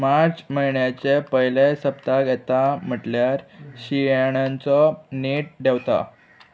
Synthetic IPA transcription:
maɾt͡sməjɳjat͡ɕepəjlesəpt̪aɡʱɛt̪am̤əʈljaɾɕijeɽ̃ant͡sɔniʈ̚ɖʱewt̪a̰

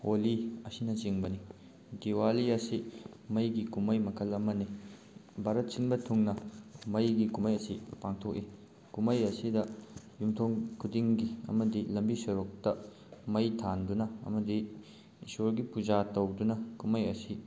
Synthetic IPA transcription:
oliɐsinɐt͡ʃiŋbɐni | diwaliɐsi | mɐjɡikumɐjmɐkʰɐlɐmɐni | bʱaɾɐt̚sinbɐtʰuŋnɐmɐjɡikumɐjɐsipaŋtʰok̚i | kumɐjɐsidɐjumtʰoŋkʰudiŋɡiɐ̰mɐdilɐmbisɐɾuk̚tɐ | mɐjtʰandunɐɐ̰mɐdḭː | soɾɡipud͡ʒatɐwdunɐkumɐjɐsi

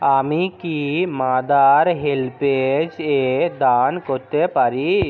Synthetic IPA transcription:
amikimad̪aɾɦelped͡ʒed̪ankoɾt̪epaɾi

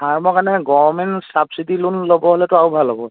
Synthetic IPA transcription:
aɹmɔkanɛɡɔmɛnsabsidilunlobɔɦolɛtʊawbʱalɔbɔ

